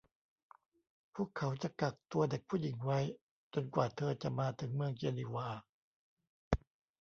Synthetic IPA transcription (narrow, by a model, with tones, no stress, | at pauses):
pʰuː˥˩əkʰa˩˦wt͡ɕa˨˩ka˨˩k̚t̪u˧ɐde˨˩k̚pʰuː˥˩ji˩˦ŋwa˦˥j | t͡ɕo˧nkwaː˨˩t̪ʰɤː˧t͡ɕa˨˩maː˧t̪ʰɯ˩˦ŋmɯ˧əŋt͡ɕe˧li˧waː˧